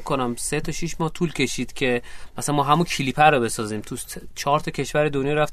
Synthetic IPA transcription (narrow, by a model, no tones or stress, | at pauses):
kʰːonæmse̞t̪ʰɒʃiʃmɒːht̪ʰuːlcʰe̞ʃiːd̪̥cʰe̞mæsænmɒːɦæmuncʰiliːpʰæɾobe̞sɒːziːmt̪ʰu | t͡ʃʰɒːɾt̪ʰɒcʰʲe̞ʃvæɾe̞d̪onjɒːɾæft̪